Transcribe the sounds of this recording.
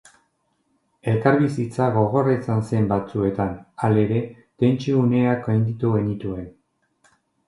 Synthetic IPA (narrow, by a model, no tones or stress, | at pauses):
e̞lkaɾβisit͡saɣo̞ɣo̞ret͡sanse̞mbat͡sue̞t̪anale̞ɾe̞ | t̪e̞nt͡ʃiune̞akojnd̪it̪uɣe̞nit̪ue̞n